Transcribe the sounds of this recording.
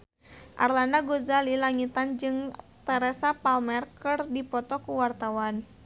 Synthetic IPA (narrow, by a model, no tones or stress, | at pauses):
ʔa̰rlandaɡuzalilaŋit̪and͡ʒɨŋt̪ɛɾɛsapalmɛrkɨrdipɔt̪ɔkuwart̪awan